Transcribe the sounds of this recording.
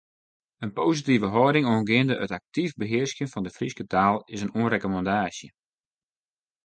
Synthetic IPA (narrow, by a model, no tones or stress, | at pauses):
ənpoːsitivəɦɔːdɪŋoənɡɪəndəʔətak̚tivbəɦɪərsjənfɔndəfriskətaːlˠɪsənuənrekomɑndaːsjə